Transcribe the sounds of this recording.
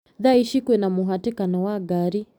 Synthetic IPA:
ðaiʃikwɛnamuɦatikanɔwaɡaɾi

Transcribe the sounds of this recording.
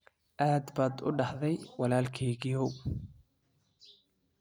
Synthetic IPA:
ʔaːd̪baːd̪ʊ̰ɖɑħðɛjwɑlaːlkʰɛːɣɪjɔw

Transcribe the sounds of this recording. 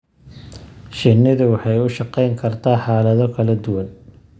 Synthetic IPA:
ʃɪnɪðʊwɑħɑjʊʃɑqɛjŋkʰɐrt̪ʰaːħɑːlɐðɔkʰɐlɐd̪ʊwɐn

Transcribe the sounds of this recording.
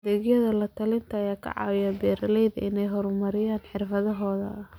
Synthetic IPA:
d̪ɛːɡjɐðɐlɐt̪ʰɐlɪnt̪ʰɐːjaːkʰɐ̰ʕɑ̰ːwɪjaːbɛːɾɐlɛjðɐ̰ʔɪnɛjɦɔɾmɐɾɪjaːnħɪrfɐðɐɦɔːðɐ̰

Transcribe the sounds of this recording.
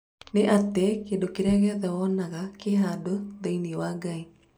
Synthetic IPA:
neʔatekeːdokeɾɛaɣɛðɛwɔnaɣakeɦadoðainiwaɡai

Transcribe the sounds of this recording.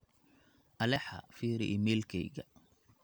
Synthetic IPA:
ʔɐlɛħɐ̰fiːɾɪʔɪmɛːlkʰɛjɣɐ

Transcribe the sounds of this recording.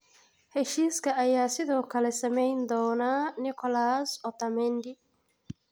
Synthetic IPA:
hɛʃiːskʰɐɐjaːsɪðɔːkʰɐlɛsɐmɛjnd̪ɔːnaːnɪkʰɔlaːsɔt̪ɐmɛnd̪ɪ

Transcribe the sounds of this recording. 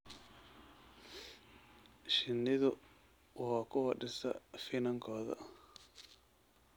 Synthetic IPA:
ʃɪnːɪðʊ | waːkʰʊwɐɖɪsɐ̰fɪnɐŋkʰɔːðɐ̰

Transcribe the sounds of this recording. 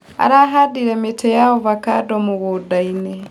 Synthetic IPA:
a̰ɾaɦadiɾemitʰejaoβakadomuβudaine

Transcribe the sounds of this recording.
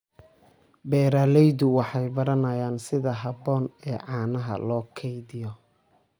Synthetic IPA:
bɛːɾaːlɛjdʊwɑħɑjbɐɾɐnɐjaːnsɪðɐɦɐbɔːnɛːʕɑːnɐɦɐ̰lɔːkʰɛjðɪjɔ

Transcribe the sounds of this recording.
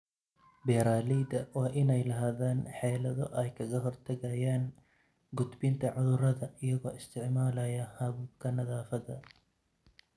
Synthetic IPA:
bɛːɾaːliːd̪ɐwɑːʔɪnɛjlɐɦaːðaːnħɛːlɐðɔʔɛjkʰɐɣɐɦɔrt̪ʰɐɣɐjaːn | ɡʊd̪bɪnt̪ʰɐʕʊðʊɾɐðɐɪjɐɣɔ̰ːɪst̪ʰɪʕmaːlɐjɐhɐβʊkʰɐnɐðaːfɐðɐ

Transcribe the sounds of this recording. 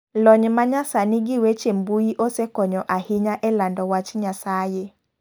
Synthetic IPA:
lɔɲmaɲasanɪɡɪwet͡ʃembujiʔosekɔɲɔʔahɪɲaʔɛlandɔwat͡ʃɲasaje

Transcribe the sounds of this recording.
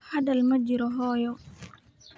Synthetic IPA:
hɐðɐlmɐd͡ʒɪɾɔɦɔːjɔ

